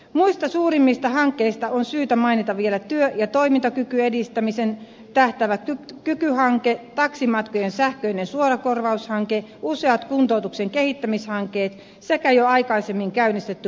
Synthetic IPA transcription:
muist̪ɑsuːɾimːist̪ɑhɑŋkːeist̪ɑonsyːt̪æmɑinit̪ɑʋielæt̪yøjɑt̪oimint̪ɑkykyedist̪æmisen | t̪æht̪æʋækykykyhɑŋket̪ɑksimɑt̪kojensæhkøinensuoɾɑkorʋɑushɑŋkeuseɑt̪kunt̪out̪ukseŋkehit̪ːæmishɑŋkˑeːt̪ | sekæjoɑikɑisemːiŋkæynist̪et̪ːy

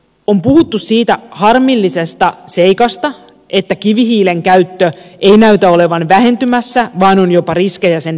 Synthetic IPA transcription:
ompuhut̪ːussiːt̪æhɑrmilːisest̪ɑseikɑst̪ɑ | ʔet̪ːækiʋihiːleŋkæyt̪ːøʔeinæyt̪æole̞ʋɑnʋæhe̞nt̪ymæsːæʋɑːnonjopɑriskejæsen

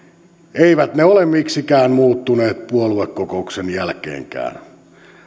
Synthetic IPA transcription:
eiʋæt̪neolemmiksikæːnmuːt̪ːuneːt̪̚puoluekːokouksenjælkḛːŋkæ̰ːn

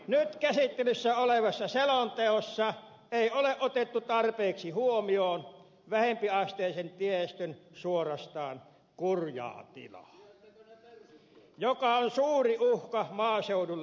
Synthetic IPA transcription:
nyt̪kæsit̪ːelysːæoleʋɑsːɑselont̪eosːɑ | eˑioleʔot̪et̪ːut̪ɑrpeːksihuomioːn | ʋæhempiɑst̪eːˑisent̪iest̪ønsuorɑst̪ɑːn | kurjɑ̰ːt̪ḭlɑ̰ | jokɑonsuːriuhkɑmɑːseudulː

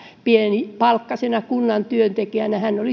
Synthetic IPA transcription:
pienipɑlkːɑsenɑkunːɑnt̪yønt̪ekiænæhænːoli

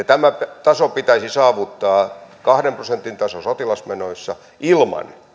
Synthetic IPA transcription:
t̪æmæt̪ɑsopit̪æisisɑːʋut̪ːɑːkɑhɾemprosent̪int̪ɑsosot̪ilɑsmenoisːɑ̰ | ʔilmɑ̰n

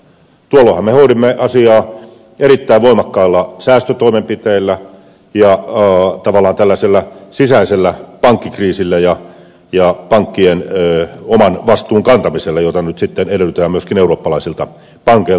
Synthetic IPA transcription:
t̪uolːohɑmehoiɾimːeɑsiɑː | eɾit̪ːæiʋʋoimɑkːɑilːɑsæːst̪øt̪oimempit̪eilːæ | jɑt̪ɑʋɑlːˑɑːnt̪ælːæselːæsisæiselːæpɑŋkːikriːsilːæjɑ | jɑpɑŋkːienomɑnʋɑst̪uːŋkɑnt̪ɑmiselːɑjot̪ɑnyt̪sit̪ːeneɾelyt̪æːmyøskineuroːpːɑlɑisilt̪ɑ | pɑŋkei

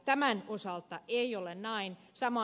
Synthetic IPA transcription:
t̪æmænosɑlt̪ɑʔeiolennɑin | sɑmɑ

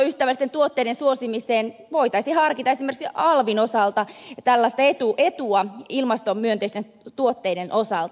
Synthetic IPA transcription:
yst̪æʋælːist̪ent̪uot̪ːeiɾensuosimiseːnʋoit̪ɑisihɑrkit̪ɑesimerksɑlʋinosɑlt̪ɑt̪ælːɑst̪ɑet̪uʔet̪uɑilmɑst̪ommyønt̪eist̪en | t̪uot̪ːeidenʔosɑlt̪

